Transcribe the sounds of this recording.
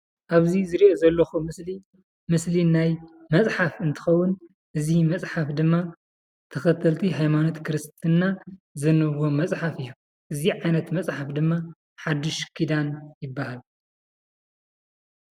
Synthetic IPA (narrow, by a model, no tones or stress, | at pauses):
ʔaβzizɨɾiʔozɐlːɐxumɨsli | mɨslinajmɐt͡sʼħafɨnt̪ʰɨ̥xɐwːʊn | ʔɨzimɐt͡sʼħafd̪ɨmːa | t̪ʰɐxɐt̪ʰɐlt̪ʰiɦajmanot̪kʰɨɾɨst̪ʰɨnːazɐnɨβo̞mɐt͡sʼħafɨjːu | ʔɨziʕajnɐt̪mɐt͡sʼħafd̪ɨmːa | ħad̪ɨʃkʰid̪anjɪbːahal